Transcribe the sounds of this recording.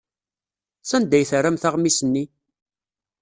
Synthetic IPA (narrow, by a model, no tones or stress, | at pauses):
sænd̪æjθərːæmθaʁmisənːi